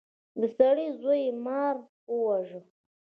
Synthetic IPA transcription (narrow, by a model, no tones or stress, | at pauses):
d̪əsaɽizojemɑɾ | əwaʒə